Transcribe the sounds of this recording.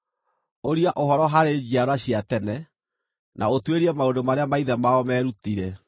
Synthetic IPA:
oɾiaʔohɔɾɔɦaɾed͡ʑiaɾwaɕiatɛnɛ | nʔa̰otweɾiɛmaondomaɾeamaiðɛmaɔmɛɾutiɾɛ

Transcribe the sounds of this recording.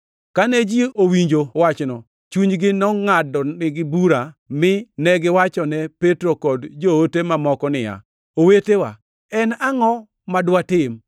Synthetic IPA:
kanɛd͡ʒiowiɲd͡ʒowat͡ʃnɔ | t͡ʃuɲɡɪnɔŋadɔɪɡɪbuɾamɪnɛɡɪwat͡ʃɔnɛpetɾokɔdd͡ʒootemamɔkɔnɪja̰ | owetewa̰ | ɛnaŋɔ | madwatɪm

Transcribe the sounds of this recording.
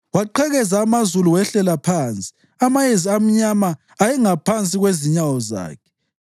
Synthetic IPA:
waǃɛɣɛzaːmazuluwɛɬɛlapʰaːnt͡sʼi̥ | amajeziam̩ɲamaː | jɛŋapʰant͡sʼiɣweziɲawɔza̰ːkʰɛ̥

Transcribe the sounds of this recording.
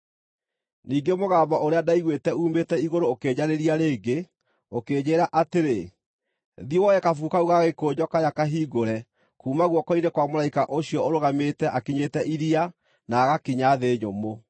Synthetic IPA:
niːɡemoɣaːmbaʔoɾeadaiɣwetɛuːmetɛiɣoɾoːkeɲaɾeɾiaɾeːɡe | okeːɲeɾaʔateɾe | ðiwɔjɛkafuːkauɣaɣekoːd͡ʑɔkajakaɦiːɡoɾɛ | kuːmaɣwɔkɔinekwamoɾaikaʔoɕiɔoɾoɣametɛʔakiɲeːtɛʔiɾia | naɣakiɲaðeːɲomo

